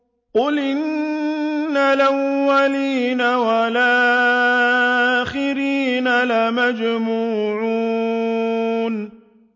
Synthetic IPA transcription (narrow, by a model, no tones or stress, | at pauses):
ʔʊlɪnː | alawːaliːnawalaː | xɪɾiːnalamad͡ʒmuːʕu | n